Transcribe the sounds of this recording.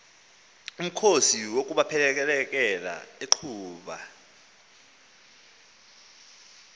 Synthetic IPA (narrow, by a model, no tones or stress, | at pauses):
um̩kʰosiwokʼuɓapʰɛlɛk̬ɛlɛk̬ʼɛla̰eǃʰuːɓa̰